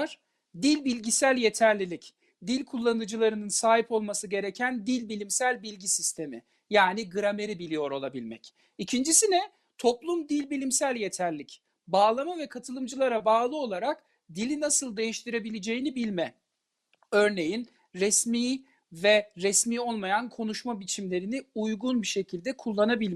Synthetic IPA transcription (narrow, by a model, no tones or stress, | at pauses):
ɾ̥ | d̪ilʲbilʲɟisælʲje̞t̪ʰæɾlʲilʲic | d̪ilʲkʰulˠːanɯd͡ʒɯlˠaɾɯnɯnsaːɦipo̞lˠmasɯɟe̞ɾecʰænd̪ilʲbilʲimsælʲbilʲɟisist̪ʰe̞mḭ | jaːniɡɯɾame̞ɾibilʲijo̞ɾo̞lˠabilʲmɛ̰c | icʰind͡ʒisinɛ | t̪ʰo̞plˠumd̪ilʲbilʲimsælʲje̞t̪ʰæɾlʲic | baːlˠamavɛkʰat̪ʰɯlˠɯmd͡ʒɯlˠaɾabaːlˠɯo̞lˠaɾak | d̪ilʲinasɯlˠd̪e̞jiʃt̪ʰiɾe̞bilʲed͡ʒe̞jinibilʲmɛ | ø̞ɾne̞jin | ɾɛsmiː | vɛɾɛsmiːo̞lˠmajankʰo̞nuʃmabit͡ʃʰimlʲe̞ɾiniujɡunbiʃe̞cʰilʲd̪ɛkʰulˠːanabilʲ